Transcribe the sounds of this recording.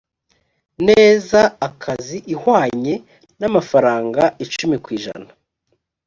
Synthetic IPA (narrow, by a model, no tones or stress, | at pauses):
neːzaːkʰaziʔihwaːɲe̞ | namafaɾaːŋɡait͡ʃumikwiːʒa̰na